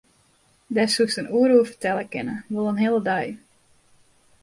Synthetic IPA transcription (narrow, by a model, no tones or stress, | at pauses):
dɛsusənuːəɾuəfərtɛlˠəkɪ̰nəʋolˠənɦɪəlˠədɑj